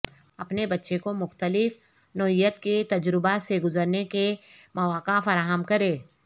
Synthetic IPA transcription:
ɐpnebɐtːʃekomʊxt̪əlɪf | nɔɪjːət̪ket̪ɐd͡ʒɾɪbaseɡʊzəɾnekemɐʋaːkafɐɾaːɦəmkɐɾeː

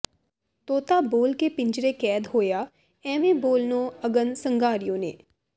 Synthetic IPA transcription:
t̪oːt̪aːboːlkeːpɪɲd͡ʒɾeːkɛːd̪ɦoːjaː | ɛ̃ːʋẽːboːlnõːəɡənsəŋɡaːɾɪjõːnḛː

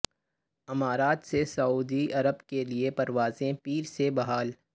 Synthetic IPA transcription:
ɪmaːɾaːt̪sesɐuːd̪iɐɾəbkeliepɐɾʋaːzẽpiːɾsebɐɦaːl

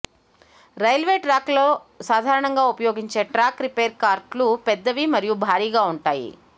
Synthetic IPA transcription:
ɾɐjlʋeːʈɾaːkloːsaːd̪ʱaːɾɐɳɐŋɡaːupɐjoːɡiɲt͡ʃe̞ːʈɾaːkɾipeːɾkaːɾʈlupɛd̪ːɐʋimɐɾijubʱaːɾiːɡaːuɳʈaːjḭ

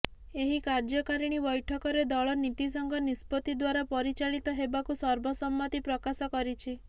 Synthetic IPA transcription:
eɦikaɾd͡ʒɔkaɾiɽ̃ibɔjʈʰɔkɔɾed̪ɔɭɔnit̪is̬ɔŋɡɔnispɔt̪id̪waɾapɔɾit͡ʃaɭit̪ɔɦebakusɔɾbʱɔsɔmːɔt̪ipɾɔkasɔkɔɾit͡ʃʰi

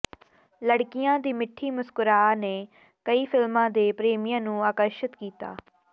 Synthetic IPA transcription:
ləɽkɪjãːd̪iːmɪʈʰːiːmʊskʊɾaːneː | kəiːpʰɪlmãːd̪eːpɾeːmijãːnũːaːkəɾʃət̪kiːt̪a̰ː

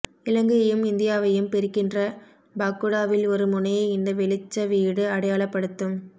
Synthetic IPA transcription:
ɪlɐŋɡɯɣɐjɯmɪnd̪ɪjaːʋɐjɯmpɛɾɯkːɪndrɐ | baːkːɯɽaːʋɪlɔɾɯmʊnɐjɐɪɪnd̪ɐʋɛlɪt͡ʃːɐʋiːɽɯɐɽɐjaːɭɐpːɐɽɯt̪ːɯm

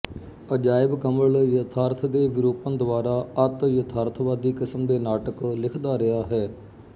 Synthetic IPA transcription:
əd͡ʒaːɪbkəməljət̪ʰaːɾt̪ʰd̪eːʋɪɾoːpənd̪ʊʋaːɾaːət̪jət̪ʰaːɾt̪ʰʋaːd̪iːkɪsəmd̪eːnaːʈəklɪkʰd̪aːɾɪɦaːɦɛː

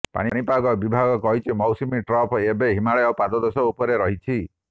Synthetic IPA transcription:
pa̰ɽ̃iɽ̃ipaɡɔbibʱaɡɔkɔɦit͡ʃʰimɔwsimiʈɾɔpʰebeɦimaɭeopad̪ɔd̪ɔsɔupɔɾeɾɔɦit͡ʃʰi

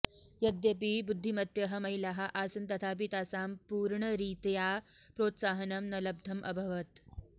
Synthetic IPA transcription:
jɐd̪jɐpibud̪ʱːimɐt̪jɐɦɐmɐjlaɦɐʔaːsɐnt̪ɐt̪ʰaːp̬it̪aːsaːmpuːɾɳɐɾiːt̪japɾoːt̪saːɦɐnɐmnɐlɐb̚d̪ʱɐmʔɐ̰bʱɐʋɐt̪

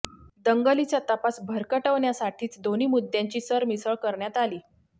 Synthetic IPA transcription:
d̪əŋɡəlit͡ɕjat̪əpasbʱəɾkəʈəʋɳjasaʈʰiːt͡sd̪oniːmud̪ːjãɲt͡ɕiːsəɾmisəɭkəɾɳjat̪aliː

